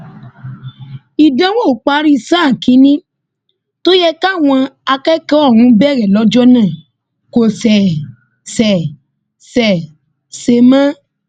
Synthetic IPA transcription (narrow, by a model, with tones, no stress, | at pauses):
i˨dã˦wo˦˨k͡pa˦ɾi˦sãː˦˨ki˨˦nĩ˦ | to˦jɛ˧ka˦˨w̃ɔ̃˧a˧kɛ˦kɛ˦ɔ˦˨wũ˨˦bɛ˦˨ɾɛ˨lɔ˨˦d͡ʒɔ˦nãː˦˨ | ko˨sɛ˨ | sɛ˨ | sɛ˨ | se˧mã˦